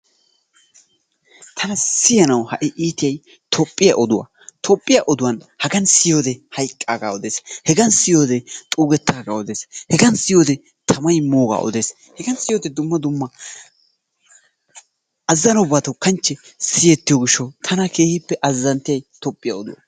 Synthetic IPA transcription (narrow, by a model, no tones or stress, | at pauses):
t̪ʰɐnɐsɪjɐnɐwhɐʔɪʔiːt̪ɪjɐj | t̪ʰɔpʼːɪjɐʔɔd̪ʊwɐ̰ | t̪ʰɔpʼːɪjaʔɔd̪ʊwɐn | hɐɡɐnsɪjoːd̪ɛhɐjkʼːaːɡaːɔd̪eːshɛɡɐnsɪjo̞ːd̪ɛt̪ʼuːɡɛt̪ːaːɡaːɔd̪e̞ːshɛɡɐnsɪjo̞ːd̪ɛ | t̪ʰɐmɐjmoːɡa̰ːʔɔ̰d̪eːs | hɛɡɐnsɪjoːd̪ɛd̪ʊmːɐd̪ʊmːɐ | ʔɐzːɐnʊbːaːt̪ɐwkɐnt͡ʃːɛsɪjɛt̪ːɪjɔɡɪʃːɐwt̪ʰɐnɐkʰe̞ːhɪpːɛʔɐzːɐnt̪ɪjɐjt̪ɔpʼːɪjɐɔd̪ʊ̰wɐ̰